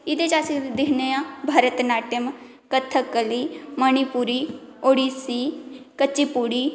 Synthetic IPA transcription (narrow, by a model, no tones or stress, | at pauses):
ɪd̪et͡ʃaːsd̪ɪkʰneãːbʱaːɾət̪naːʈəm | kət̪ʰːəkːəliːmənipuːɾiːoːɽiːsiːkət͡ʃːiːpuːɽiː